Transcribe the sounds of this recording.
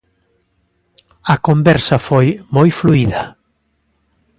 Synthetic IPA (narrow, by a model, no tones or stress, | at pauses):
ɐkombɛɾsɐfojmojfluiðɐ